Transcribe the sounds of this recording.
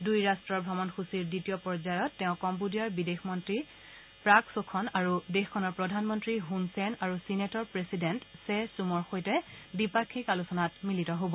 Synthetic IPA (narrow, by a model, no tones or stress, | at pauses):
dujɹastɹɔɹbʱɹɔmɔnxʰusiɹditijɔpɔɹd͡ʒajɔtːɛʊ̃kɔmpudiaɹbidexmɔntɹi | pɹaksokʰɔnaɹudexkʰːɔnɔɹpɹɔdʱanmɔntɹiɦunsɛnaɹusinetɔɹpɹesidentsesumɔɹxojtɛdipakʰːikalusɔnatmilitɔɦobɔ